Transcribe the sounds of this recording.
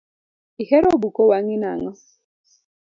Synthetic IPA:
ihɛɾobukowaŋina̰ŋɔ

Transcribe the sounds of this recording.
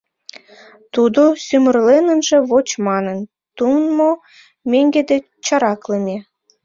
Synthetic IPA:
t̪ud̪osymərlenə̆nʒĕβot͡ɕmɑnən | t̪unmo | mʲeŋɡed̪e | t͡ɕɑɾɑklemʲe

